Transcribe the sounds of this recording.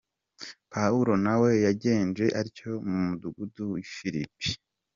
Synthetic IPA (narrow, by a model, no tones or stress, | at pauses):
pauɾo̞nawe̞jaɟe̞ːnd͡ʒe̞ʔaɾico̞mumuduɡuduwifiɾipi̥